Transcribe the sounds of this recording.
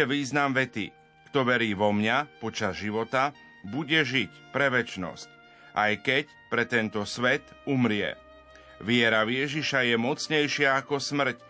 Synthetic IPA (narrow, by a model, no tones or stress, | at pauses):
ɛʋiːznamʋɛt̪ḭ | kt̪ɔʋɛɾiːʋɔmɲapɔt͡ʃazʒiʋɔt̪a | buɟɛʒic | pɾɛʋɛt͡ʃnɔ̰sc | ʔajkɛc | pɾɛt̪ɛnt̪ɔsʋɛt̪umɾɪɛ̰ | ʋɪɛɾaʋɪjɛʒiʃajɛmɔt͡sɲɛjʃɪaːkɔsmr̩c